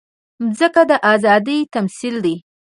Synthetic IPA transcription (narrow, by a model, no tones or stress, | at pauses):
zəkad̪əʔɑzɑd̪əjt̪amsild̪e